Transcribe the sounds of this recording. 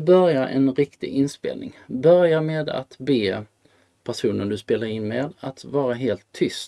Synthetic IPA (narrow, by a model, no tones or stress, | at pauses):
bœɾjaɾʔɛ̰nɾɪkt̪ɪ̰ʔɪnspḛːlnɪ̰ŋbœɾjaɾmeːd̪a̰t̪beː | pʰæʂuːnənd̪ɵspeːlaɾɪnmeːd̪at̪vɑːɾaɦeːlt̪ʰːʏst̪